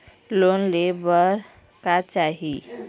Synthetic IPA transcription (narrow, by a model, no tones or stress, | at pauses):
lonlebəɾ | kat͡ʃaɦi